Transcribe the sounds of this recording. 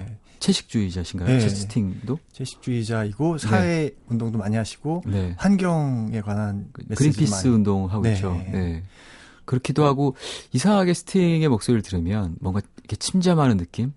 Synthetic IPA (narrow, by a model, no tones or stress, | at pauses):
t͡ɕʰe̞ɕʰi̥k̚t͡ɕ͈uid͡ʑaɕʰiŋɡaesʰɯtʰiŋdot͡ɕʰeɕʰi̥k̚t͡ɕ͈uid͡ʑaiɡosʰaweundoŋdomaɲiɦaɕʰi̥ɡ̥one̞hanɡjʌŋe̞kwananekɯɾinpʰis͈ɯundoŋɦaɡoit͡ɕ͈one̞ | kɯɾʌkʰidohaɡoisʰaɦaɡe̞sʰɯ̥tʰiŋe̞mok̚s͈oɾɯɭtɯɾɯmjʌnmwʌŋɡaikʰe̞t͡ɕʰimd͡ʑamɦanɯnːɯk͈im